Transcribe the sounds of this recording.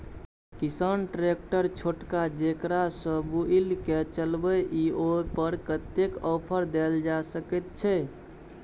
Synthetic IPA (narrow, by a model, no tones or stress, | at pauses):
kisənʈɾek̚ʈəɾt͡ʃʰoʈkad͡ʒekɾasəbuilket͡ʃəlbəʔiopəɾkət̪ːekɔpʰəɾd̪eld͡ʒasəkɛt̪t͡ʃʰɛ